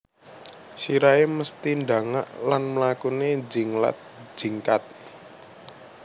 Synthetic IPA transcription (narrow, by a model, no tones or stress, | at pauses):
siɾaeməst̪inda̤ŋa̰ʔlanməlakuned͡ʒi̤ŋla̰t̪̚d͡ʒ̥i̤ŋkat̪̚